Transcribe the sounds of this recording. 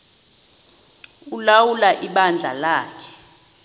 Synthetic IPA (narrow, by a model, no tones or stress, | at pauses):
ulawulaʔiɓand͡ɮʱalaːkʰɛ̥